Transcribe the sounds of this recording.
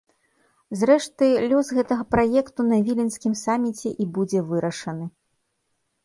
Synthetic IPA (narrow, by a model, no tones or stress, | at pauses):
zɾɛʂt̪ɨlʲusɣɛt̪ɐɣɐpɾajɛkt̪unɐvʲilʲinsʲkʲimsamʲit͡sʲɛʔibud͡zʲɛvɨɾɐʂɐnɨ